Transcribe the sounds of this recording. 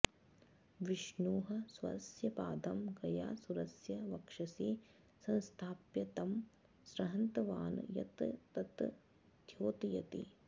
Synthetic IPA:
ʋiʂɳuːɦɐsʋɐ̰ɾɐsjɐpaːd̪ɐmɡɐja̰ːsuɾɐsjɐʋɐkʂɐsiː | sɐ̃nst̪ʰaːpjɐt̪ɐm | sɾɐɦɐnt̪ɐʋaːn̰jɐ̰t̪t̪ɐt̪ | d̪ʱjoːt̪jɐ̰t̪ḭ

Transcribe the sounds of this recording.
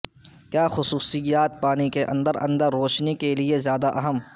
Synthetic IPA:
kjaːxʊsuːsɪjaːt̪̚paːnikeʔɐ̃nd̪əɾɐ̰̃nd̪əɾːoːʃnekeliezjaːd̪aʔɐɦəm

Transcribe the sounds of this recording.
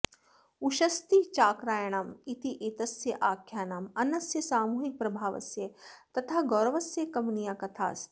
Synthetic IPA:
uʃɐst̪it͡ʃaːkɾaːjɐɳ̃aːmit̪iʔeːt̪ɐsjɐʔaːkʰjaːnaːmɐnɐsjɐsaːmuːɦik̚pɾɐbʱaːʋɐ̰sjɐt̪ɐt̪ʰaːɡɔːɾɐʋɐsjɐkɐmnijaːkɐt̪ʰa̰ːs

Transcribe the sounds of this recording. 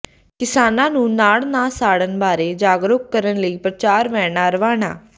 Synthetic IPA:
kɪsaːnãːnũːnaːɭnaːsaːɽənbaːɾeːd͡ʒaːɡɾʊkkəɾənləiːpɾət͡ʃaːɾʋɛ̃ːnaːɾəʋaːɽa̰ː

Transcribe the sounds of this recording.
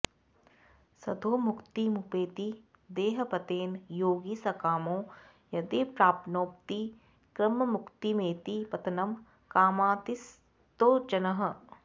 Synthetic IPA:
sɐd̪ʱoːmʊkt̪imupeːt̪i | d̪eːɦɐ̆pɐt̪eːnjoːɡisɐkaːmõː | jɐd̪eːpɾaːpnoːp̚t̪i | kɾɐmːɐmʊkt̪imeːt̪ipɐt̪ɐnɐm | kaːmaːt̪is | t̪oːd͡ʒɐnɐɦɐ̆

